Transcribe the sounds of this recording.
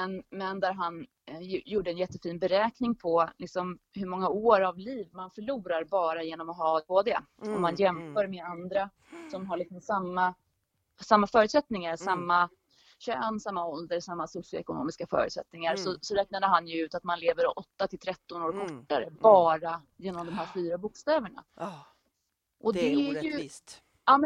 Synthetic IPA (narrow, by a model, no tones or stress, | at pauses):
mɛnmɛnd̪æɾɦan | juːɖəɛnjɛt̪ːəfiːnbɛɾɛːknɪŋpʰɔlɪksɔmhɵɾmɔŋːaoːɾavliːvmanfœɭuːɾaɾbɑːɾajeːnɔmɔɦɑːboːd̪ɛ | ɔmːanjɛmfœːɾmeːand̪ɾa | sɔmɦaɭɪksɔmsamːa | samːafœːɾʉ̟t̪sɛt̪nɪŋaɾsamːa | ɕœnsamːaɔld̪əɾsamːasʊsɪʊ̰ɛ̰kʊno̰ːmɪskafœ̰ːɾʉ̰ːt̪sɛ̰t̪nɪŋaɾsɔsɔɾɛːk̚nad̪əɦanjɵʉ̟ːt̪at̪manleːvəɾɔʔɔt̪ːat̪ʰɪlt̪ʰɾɛt̪ːɔnoːɾkʰɔʈːa̰ɾə̰bɑːɾa | jeːnɔmd̪ɔmɦæːɾfyːɾabʊkst̪ɛːvəɳa̰ | ʔɔdd̪ɛæɾjɵ | ɑːmɛ